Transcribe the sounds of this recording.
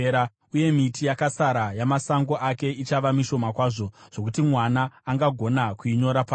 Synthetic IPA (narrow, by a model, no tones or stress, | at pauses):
a | uje̞mitijakasaɾajamasaŋɡo̞ʔake̞it͡ʃaʋamiʃo̞makwaːʐo̞ʐ̥o̞k̬utimwanaːŋɡaɡʱo̞nakuiɲo̞ɾapaː